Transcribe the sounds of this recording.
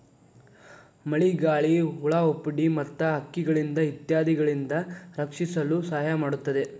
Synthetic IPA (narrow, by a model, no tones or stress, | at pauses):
mɐɭiɡaːɭiuɭaopːɽimɐt̪ːɐɦɐkːiɡɐɭind̪ɐit̪jaːd̪ʱiɡɐɭind̪ɐɾɐkʂisɐlusaːɐjamaːɽut̪ːɐd̪e